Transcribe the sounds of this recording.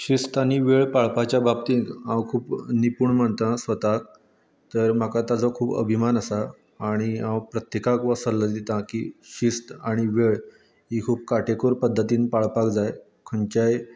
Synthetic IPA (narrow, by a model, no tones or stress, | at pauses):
ɕist̪aɽ̃iʋeɭpaɭpat͡ɕjabab̚t̪ĩkãwkʰuːpnipuːɳm̤əɳt̪ãsʋət̪ak̚ | t̪əɾm̤akat̪ad͡zɔkʰuːbə̰bʱimanəsaː | ɽ̃iãwpɾət̪jekakʋəsəlːəd̪it̪ãkḭɕist̪aɽ̃iʋeɭ | ɦikʰuːb̚kaʈekoɾpəd̪ʱːət̪iːnpaɭpakd͡zaj | kʰəɳt͡ɕaj